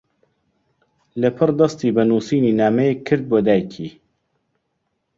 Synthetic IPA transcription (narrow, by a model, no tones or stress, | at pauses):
lɐpʰɨrd̪ɐst̪iːbɐnuːsiːniːnaːmɐjekʰːɨɾd̪̚boːd̪aːjkʰiː